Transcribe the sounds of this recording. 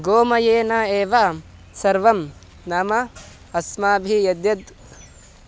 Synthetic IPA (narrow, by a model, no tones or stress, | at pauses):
ɡoːmɐjeːnaeːʋɐ | sɐɾʋɐm | nɐmɐ | ɐsmaːbʱijɐd̪jɐd̪